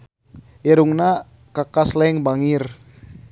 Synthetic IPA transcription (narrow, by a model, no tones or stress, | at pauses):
iɾuŋna | kakaslɛŋbaŋir